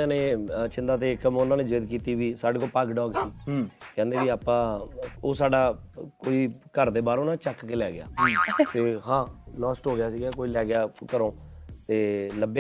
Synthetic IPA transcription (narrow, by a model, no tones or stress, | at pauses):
ãːneːt͡ʃɪnd̪aːt̪eːkːəmʊnãːneːd͡ʒeːɪd̪kiːt̪iːʋiːsaːɖeːkoːpaːkɖɔːɡsiːkɛ̃ːnd̪eːʋiːaːpãːoːsaːɖaːkoːiːkəɾd̪eːbaːɾʊnãːt͡ʃəkkeːlɛːɡɪja̰ːt̪eːɦãːlɔːsʈɦoːɡɪjaːsiːɡaːkoːiːlɛːɡɪjaːkəɾõːt̪eːləb